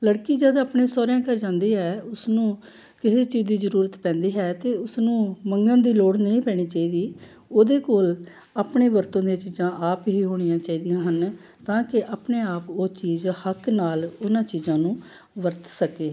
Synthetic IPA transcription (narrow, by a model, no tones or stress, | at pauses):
ləɽkiːd͡ʒɛːd̪aːpɳẽːsɔːɾjãːkəɾd͡ʒãːnd̪iːɦɛːʊsnũː | kɪɦeːt͡ʃiːzd̪iːzəɾuːɾət̪pɛ̃ːnd̪iːɦɛːt̪eːʊsnũːməŋɡãːd̪iːloːɽnəĩːpɛːɽ̃iːt͡ʃaːiːd̪iː | oːd̪eːkoːl | aːpɳeːʋəɾt̪õːd̪eːt͡ʃiːzãːʔaːpɦiːɦoːɽ̃ɪjãːt͡ʃaːiːd̪ɪjãːɦən | t̪ãːkɪʔaːpneːaːpoːt͡ʃiːzhəknaːlʊnãːt͡ʃiːzãːnũː | ʋəɾt̪səkeː